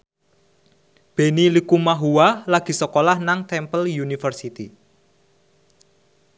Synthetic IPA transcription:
b̥e̤nilikumaɦuwalaɡ̥i̤səkolahnaŋt̪ɛmpəljunifərsit̪i

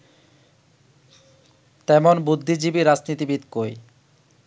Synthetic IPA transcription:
t̪ɛmonbud̪ʱːid͡ʑibiɾad͡ʑnit̪ibit̪koj

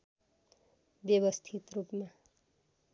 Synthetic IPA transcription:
bjʌβʌst̪ʰit̪rupma

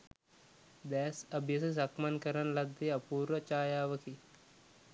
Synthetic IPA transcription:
d̪ɛːsɐbʱjɐses̬ɐkmɐnkɐɾɐnlɐd̪eɐpuːɾʋət͡ʃaːjaːʋɐkʰi

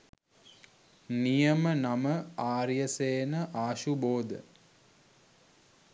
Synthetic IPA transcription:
nijəmənaməaːɾjəseːnəʔaːʃuboːd̪ə̰

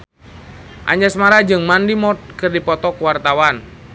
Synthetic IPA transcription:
ʔa̰ɲd͡ʒɛsmaɾad͡ʒɨŋmandimɔt̪̚kɨrdipɔt̪ɔkuwart̪awan

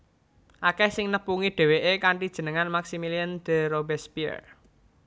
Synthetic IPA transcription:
ʔakɛhsɪŋnəpuŋiɖ̥e̤weʔekaɳʈid̥ʒ̥ə̤nəŋanmaksimiliənd̪̥ə̤ɾobɛspiə̰r

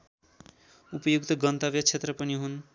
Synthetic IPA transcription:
upʌjuk̚t̪ʌɡʌnt̪ʌbjʌt͡sʰet̪rʌpʌniɦun

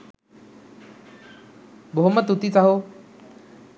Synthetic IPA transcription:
boɦʊmət̪ut̪it͡saɦo

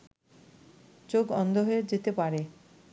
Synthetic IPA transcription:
t͡ɕoɡɔnd̪ʱoɦoed͡ʑet̪epaɾe

